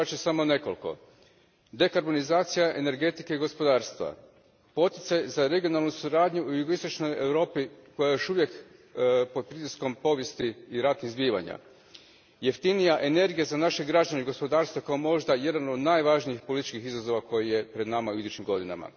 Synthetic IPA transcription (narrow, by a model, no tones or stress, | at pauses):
at͡ʃesamone̞ko̞lko̞̰ | d̪e̞kaɾbo̞nizaːt̪sijaʔe̞ne̞ɾɡe̞t̪ikeiɡo̞spo̞d̪aːɾst̪ʋa̰ | po̞t̪i̥t̪sajzaɾe̞ɡijo̞nalˠnusuɾaːd̪ɲuujuɡoist̪o̞t͡ʃno̞je̞ʋɾo̞ːpiko̞jajo̞ʃuʋje̞k | po̞d̪̚pɾit̪isko̞mpo̞ʋje̞st̪iːɾat̪nizbiːʋa̰ɲa̰ | jeft̪inijaʔe̞ne̞ɾɡijezanaʃe̞ɡɾad͡ʒaneiɡospo̞d̪aːɾst̪ʋakaomo̞ʒd̪aje̞d̪ano̞d̪najʋaʒniixpo̞lit̪i̥t͡ʃkixizazo̞ʋako̞jije̞pɾe̞d̪namauid̪ut͡ʃimɡo̞d̪ina̰ma̰